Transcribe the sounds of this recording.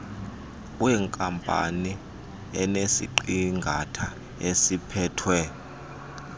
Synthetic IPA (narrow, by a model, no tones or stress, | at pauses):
wɛŋkʼampʼa̰ni | ɛnesḭǃiŋɡʱatʰa | esipʰɛːtʰwɛ